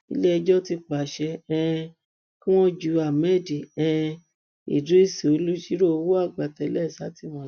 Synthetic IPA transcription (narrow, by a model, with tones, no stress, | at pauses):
ḭ˧˦le˦ɛ˧d͡ʒɔ˦ti˧k͡pa˨ʃɛ˧ɛ̃˧ | kĩ˦w̃ɔ̃˦d͡ʒu˨˧˦a˨mɛ̃˦˨di˨ɛ̃˦˧ | ḭ˨du˨˦i˦˨si˨o˨˦lu˦ʃi˦ɾo˦o˧wo˦a˦˨ɡ͡ba˨tɛ˨˦lɛ˦˨sa˨˦ti˦˨mɔ̃˧˨˦